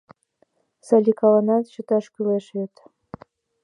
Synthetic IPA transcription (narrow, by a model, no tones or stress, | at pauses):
sɑlʲikɑlɑnɑt̪ɕə̆t̪ɑʃkʲyleʃβet̪